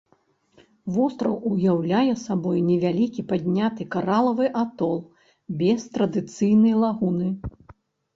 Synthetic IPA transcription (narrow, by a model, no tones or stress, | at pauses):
vɔst̪ɾɐwujawlʲajɛsabɔjnʲɛvʲalʲikʲipad̪ʲnʲat̪ɨkaɾalˠɐvɨʔat̪ɔlˠ | bʲɛst̪ɾɐd̪ɨt̪sɨjnɐjlˠaɣunɨ